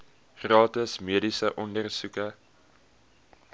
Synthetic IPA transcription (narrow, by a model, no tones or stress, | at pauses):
χrɑːtəsmiədisəʔɔndərsukə